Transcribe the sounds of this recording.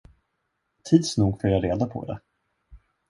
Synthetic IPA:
t̪ʰiːd̪snuːɡfœːɾjaːɾeːd̪apʰɔ̰d̪ɛ̰

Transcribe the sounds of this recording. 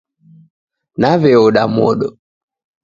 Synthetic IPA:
naβɛɔɗamɔ̰ɗɔ

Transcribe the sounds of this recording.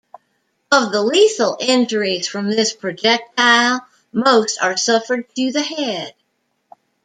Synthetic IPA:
ʌvðəliθl̩ˠʔɪ̃nd͡ʒə˞iz̥fɹʌ̃mðɪspʰɹ̥ɨd͡ʒɛk̚t̚ʰaɪlˠ | moʊstə˞sʌfə˞d̚tʰɨðɨhɛd̥̚

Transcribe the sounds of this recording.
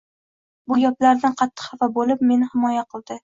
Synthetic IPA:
bʊjɒplaɾnɪqʰɑt̪ʰːɨ̥χhavabolɪp̚me̞nɪhɪmɒjaqʰɨlˠd̪ɪ

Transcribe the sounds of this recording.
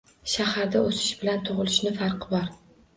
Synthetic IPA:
ʃahaɾd̪aosɪ̥ʃbɪlant̪ʰʊʁɨlɪʃnɪfaɾqʰɨbɒɾ

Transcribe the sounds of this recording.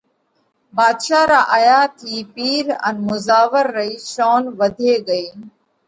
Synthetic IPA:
baːd̪ʃaːɾaːʔəjaːt̪ʰiːpiːɾə̰nmʊzaːʋəɾːəiːʃoːnʋəd̪ʱeːɡəiː

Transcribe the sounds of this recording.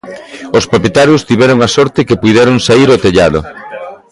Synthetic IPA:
ospɾopjet̪aɾjost̪iβɛɾoŋasɔɾt̪ɪkepuðɛɾoŋsaiɾot̪eʎaðʊ̰

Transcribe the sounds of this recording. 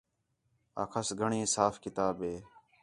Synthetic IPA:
a̰ːkʰəsɡʱəɳĩːsaːfkɪt̪aːbeː

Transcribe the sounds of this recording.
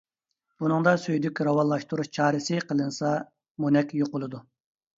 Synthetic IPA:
b̥unɨŋd̪ɑsøjd̪ykʲɾɑwɑnlˠɑʃt̪uɾuʃt͡ʃʰɑːɾɨsɨqʰəlˠɨnsɑ | munɛkʲjoqʊlˠɨd̪u

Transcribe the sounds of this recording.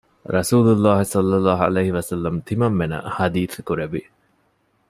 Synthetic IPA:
ɾɐsuːlulːaːɦisɐlːɐlːaːɦɐ̰lejhiʋɐsɐlːɐmt̪ʰimɐmːenɐ̰had̪iːθkuɾeʋi

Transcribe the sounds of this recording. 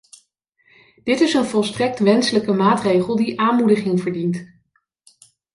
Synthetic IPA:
d̥ɪtɪsənvɔlˠstrɛk̚tʋɛnsələkəmaːtrejχəlˠdiʔaːnmudəχɪŋvəɹdint

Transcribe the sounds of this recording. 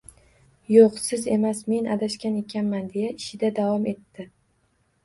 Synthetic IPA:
joqsɪze̞masme̞nʔad̪aʃkʲane̞kʲʰanmand̪e̞jaɪʃɪd̪ad̪avɒme̞t̪ːɪ

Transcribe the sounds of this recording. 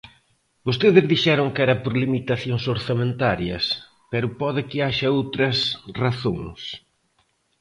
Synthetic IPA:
bost̪eðɪzðiʃɛɾʊŋkɛɾɐpoɾlimit̪aθjoŋsoɾθamẽnt̪aɾjɐs | pɛɾʊpɔðɪkɪaʃɐowt̪ɾɐsraθo̰ŋs

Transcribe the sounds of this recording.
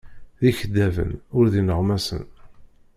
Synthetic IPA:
ðiçəd̪ævə̰nʊɾðinəʁmæsə̰n

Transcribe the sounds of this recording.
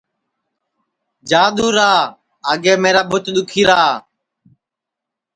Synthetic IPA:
d͡ʒaːɗ̪uːɾaː | aːɡeːmeːɾaːbʊt̪ɗ̪ʊkʰiːɾaː

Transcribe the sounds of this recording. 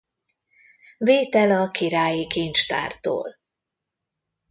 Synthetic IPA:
veːt̪ɛlɒkʰiɾaːjikiːnt͡ʃt̪a̰ːrt̪o̰ːl

